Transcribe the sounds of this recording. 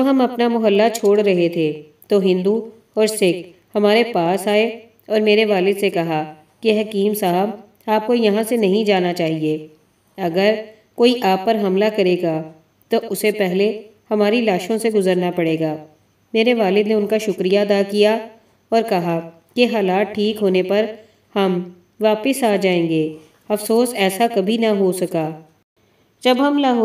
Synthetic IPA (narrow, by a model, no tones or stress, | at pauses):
oɦɐmɐpnamʊɦəlːat͡ʃʰoːɽɾɐɦet̪ʰe | t̪oɦɪ̃nd̪u | ɔːɾsɪk | hɐmaːɾepaːsaːe | ɔːɾmeːɾeʋaːlɪd̪sekɐɦa | keɦɐkiːmsaːɦəb | aːp̚kojɐɦãsenɐɦĩd͡ʒaːnat͡ʃaːɦieː | ɐɡəɾ | koːiʔaːpːɐɾɦɐmlakɐɾeːɡa | t̪oʔʊsepɛɦlehɐmaːɾilaːʃõseɡʊzəɾnapɐɽeːɡaː | meːɾeʋaːlɪd̪neʊnkaʃʊkɾijaɐd̪aːkija | ɔːɾkɐɦa | keɦaːlaːʈ̪̚ʈʰːiːkɦoːnepɐɾ | hɐm | ʋaːpɪsaːd͡ʒaːẽːŋɡeː | ɐfsoːsɛːsakɐbʱinɐɦosɐkaː | d͡ʒɐbɦɐmnɐɦo